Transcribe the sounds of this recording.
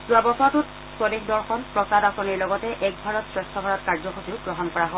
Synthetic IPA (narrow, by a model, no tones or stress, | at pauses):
zuabɔsɔtʊt | sɔdexdɔɹxɔnpɹɔsadasɔniɹlɔɡɔtɛʔɛk̚bʱaɹɔtsɹɛstʰɔbʱaɹɔtkaɹzɔxotiɡɹɔɦɔnkɔɹaɦɔ